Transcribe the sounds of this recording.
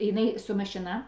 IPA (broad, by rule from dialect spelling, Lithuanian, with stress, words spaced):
jɪˈnɐɪ sʊ mɐʃʲɪˈnɐ